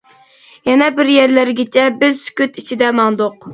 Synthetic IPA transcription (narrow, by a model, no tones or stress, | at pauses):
jɛnɛbɪɾjæɾlæɾɡʲɪt͡ʃʰɛbɪzskʲyt̪it͡ʃʰid̪ɛmɑŋd̪oq̚